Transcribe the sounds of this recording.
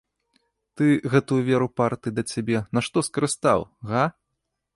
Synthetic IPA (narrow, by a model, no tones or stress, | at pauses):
t̪ɨɣɛt̪ujuvʲɛɾupart̪ɨid̪ɐt͡sʲabʲɛnaʂt̪ɔskɐɾɨst̪awɣa